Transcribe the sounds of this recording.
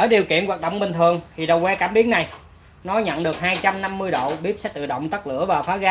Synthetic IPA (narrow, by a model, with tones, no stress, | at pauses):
ʔəː˧˩ɗi˨˩əwkḭ˧˨ənwaː˨˩t̚ɗo̰˧˨wŋ͡mɓï˨˩ŋ̟t̪ʰɨ˨˩əŋt̪ʰi˨˩ɗə˨˩wkwɛ˧kaː˧˩mɓi˨˦əna˨˩j | nɔ˨˦ɲə̰˧˨nɗɨ˨˩ək̚haː˧jt͡ɕa˧mna˧mːɨ˧əjɗo̰˧˨wɓi˦˥əp̚sɛ̰˨˦˥t̪ɨ̰˧˨˩ɗə̰˧˨wŋ͡mt̪ə˦˥k̚lɨ̰˧˥əvaː˨˩wfaː˨˦ɣaː˨˦